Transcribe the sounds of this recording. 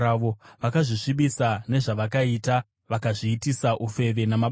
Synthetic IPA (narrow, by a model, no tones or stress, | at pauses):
aoʋakaʐiʂiɓisane̞ʐaʋakaita | ʋakaʐiːtisaʔufe̞ʋe̞nama